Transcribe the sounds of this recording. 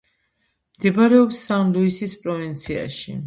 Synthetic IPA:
md̪̥ɛbaɾɛɔpsːanluisispʼɾɔvint̪sʰia̰ʃḭ

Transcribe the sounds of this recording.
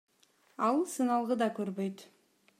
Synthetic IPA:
ɑlˠsɯnɑlˠʁəd̪ɑkøɾbøjt̪

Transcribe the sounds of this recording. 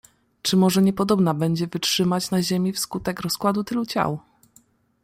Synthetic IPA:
t͡ʂɘmɔʐɛɲɛpɔd̪ɔbnabɛɲd͡ʑɛvɘtʂɘmat͡ɕnaʑemʲifskut̪ɛkɾɔskwad̪ut̪ɘlut͡ɕa̰w

